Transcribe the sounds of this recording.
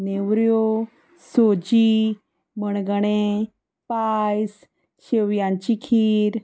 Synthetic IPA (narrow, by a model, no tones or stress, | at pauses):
neʋɾjo | sod͡ʑi | məɳɡɽ̃e | pajs | ɕeʋjãɲt͡ɕikʰiːɾ